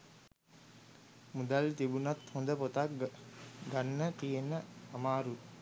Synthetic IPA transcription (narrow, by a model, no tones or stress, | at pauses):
mud̪alt̪ibunat̪hond̪əpot̪ak | ɡanːət̪ijenəamaːɾu